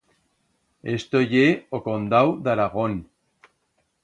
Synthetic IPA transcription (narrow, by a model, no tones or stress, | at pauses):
est̪ojeokond̪awðaɾaɣon